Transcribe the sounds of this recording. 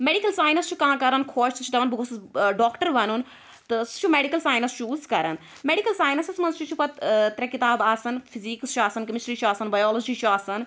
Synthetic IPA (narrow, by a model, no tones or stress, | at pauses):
meɖikɐlsaːjnɐst͡ʃʰukãːkɐɾɐnkʰoːʃt̪ɐt͡ʃʰud̪ɐʋɐnbuɡosɖɔːkʈəɾʋɐnun | t̪ɨst͡ʃʰumeːɖikɐlsaːjnɐst͡ʃʰuːzkɐɾɐn | meɖikɐlsaːjnɐsɐsmɐnst͡ʃʰut͡ʃʰupɐt̪t̪ɾɛkit̪aːbaːsɐnpʰiziːkst͡ʃʰuaːsɐnkɐmisʈɾiːt͡ʃʰuaːsɐnbaːjoːlod͡ʒiːt͡ʃʰuaːsɐn